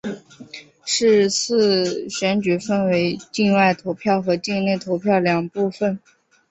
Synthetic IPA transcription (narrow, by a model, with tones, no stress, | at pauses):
ʂɻ̩˥˧t͡sʰɹ̩˥˩ɕɥɛ˧˥nt͡ɕy˨˩fə˥nwe˧˥ɪt͡ɕi˥˧nwa˥˩ɪt̪ʰo˧˥ʊpʰjɑ˥˩ʊxɤ˧˥t͡ɕi˥˧le˥˩ɪt̪ʰo˧˥ʊpʰjɑ˥˩ʊljɑ˨˩ŋpu˥˧fə˩n